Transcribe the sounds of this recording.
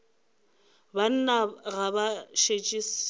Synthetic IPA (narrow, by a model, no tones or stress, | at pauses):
ban̩naɣabaʃet͡ʃʼis